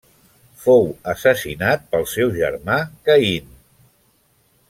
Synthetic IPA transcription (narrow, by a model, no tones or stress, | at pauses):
fowəsəsinat̪̚pəlˠsɛwʒə̰ɾmakəin